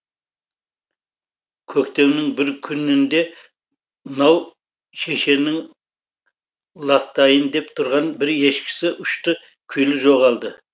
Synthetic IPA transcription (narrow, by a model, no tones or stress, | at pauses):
kʲʰɵkt̪e̞wnɪŋbɪɾkʲʰʏnɪnd̪e̞ | nɑw | ʃe̞ʃe̞nɪŋ | lˠɑqt̪ɑjənd̪e̞pt̪ʰʊɾʁɑnbɪɾe̞ʃkʲɪ̥sɪʔʊʃt̪ə | kʲʰʏjlɪʒo̞ʁɑlˠd̪ə